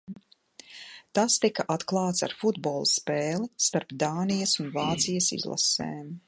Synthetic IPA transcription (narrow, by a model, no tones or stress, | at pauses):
t̪ast̪ikaʔat̪klˠɑːt̪sa̰ɾfud̪boːlˠspeːlist̪aɾpd̪aːnijɐsunvaːt̪sijɐsḭzlˠa̰sḛːm